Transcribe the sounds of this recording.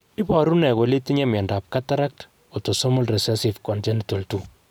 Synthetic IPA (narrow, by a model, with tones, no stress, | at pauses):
i˦pɔ˨ɾu˦nɛ˨ko˨le˦ti˦ɲɛ˦mjɛ˨nda˨p̚ka˦ta˦ɾa˦k̚t | o˨to˨sɔ˦mu˦lrɛ˨sɛ˦si˨fkɔ˨ntɛ˦nito˨ltu˨